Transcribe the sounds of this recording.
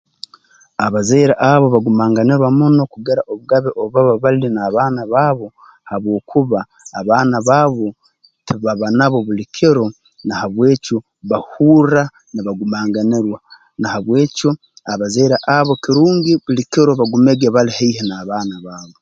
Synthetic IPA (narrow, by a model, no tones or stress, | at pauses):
aβazeːɾaʔaβo̞βaɡumaːŋɡaniɾwamuno̞kuɡeɾaʔoβuɡaβeʔoβaβaβalilinaːβaːnaβaβo̞ | haβwo̞ːkʰuβaː | βaːnaβaːβo̞ | tʰiβaβanaβo̞βulikʰeɾo̞ | nahaβweːco | βahuːra | niβaɡumaːŋɡaniɾwa | nahaβwe̞ːco̞ | aβazeːɾaʔaβo̞kiɾuːŋɡiβulikeɾo̞βaɡumeɡeβalihaiɦenaːβaːnaβaːβo